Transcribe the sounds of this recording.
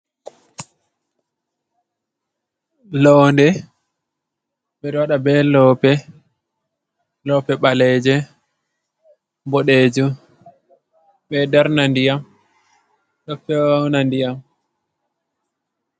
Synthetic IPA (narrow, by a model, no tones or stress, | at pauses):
lɔndɛ | ɓɛɾwaɗabɛlɔːpɛ | lɔpɛɓalɛːd͡ʒɛ | bɔɗed͡ʒu | ɓɛdaɾnandijam | ɗɔfɛwnandijam